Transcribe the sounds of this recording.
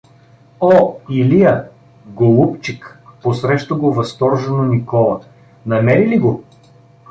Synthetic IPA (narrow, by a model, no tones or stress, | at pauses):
ɔilijə | ɡolˠupt͡ʃikposɾɛʃt̪oɡovɐst̪ɔɾʒɛnonikɔlˠə̰ | nɐmɛɾiliɡo